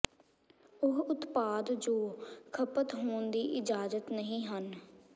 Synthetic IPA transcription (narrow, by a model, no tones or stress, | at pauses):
ʊɦʊt̪paːd̪d͡ʒoːkʰəpət̪ɦoːnd̪iːʔɪd͡ʒaːzət̪nəɦĩːɦən